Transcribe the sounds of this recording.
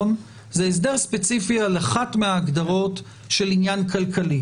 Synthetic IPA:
n | zeːs̬deʁspe̞t͡sifialaχatmeaːɡd̪aʁo̞t | ʃelinjankalkali

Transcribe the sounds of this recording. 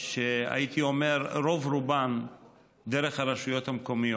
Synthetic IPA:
ʃea̰jit̪iome̞ɾɾovɾuban | d̪eɾeχhaɾeʃujot̪hamkomijo

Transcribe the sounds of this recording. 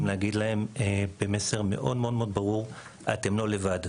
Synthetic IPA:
mleaɡid̪lae̞mebemese̞ʁme̞̰ʔo̞̰d̪meo̞dmeod̪baʁuʁ | ʔa̰t̪e̞mlo̞le̞vad

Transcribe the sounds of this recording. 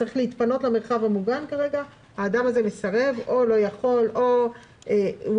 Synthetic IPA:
t͡saʁiχleit̪pano̞tlameʁχavhamuɡankaʁe̞ɡa | haːdamaze̞mesaʁe̞vo̞lo̞jaχo̞lʔo | e

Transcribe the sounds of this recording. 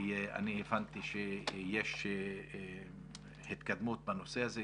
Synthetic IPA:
ea̰nievant̪iʃejeʃ | hit̪kad̪mut̪̚bano̞seaze

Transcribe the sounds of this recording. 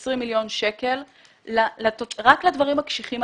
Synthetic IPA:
sʁimːiljo̞nʃeke̞lː | latoʁaklad̪vaʁimakʃiχim

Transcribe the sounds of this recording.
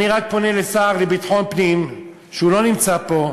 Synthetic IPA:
niʁak̚po̞nelesaːʁlebit̪ħo̞npnim | ʃeulo̞nimt͡sapo̞

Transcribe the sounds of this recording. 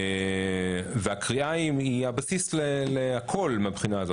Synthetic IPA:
veakʁiaimiabasisleleakʰo̞lmeabχinaːzo

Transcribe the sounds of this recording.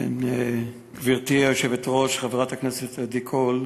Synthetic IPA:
ḛn | kviʁt̪iajoʃevet̪ʁoʃχaveʁathakneset̪ad̪ikʰol

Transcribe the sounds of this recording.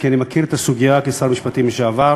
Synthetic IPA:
kianimakiʁet̪asuɡijakesaʁmiʃpat̪imʃeava

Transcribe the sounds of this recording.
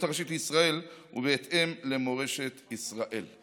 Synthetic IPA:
t̪aʁʃit̪lisʁaelṵveːt̪emlemoʁeʃet̪isʁaʔel

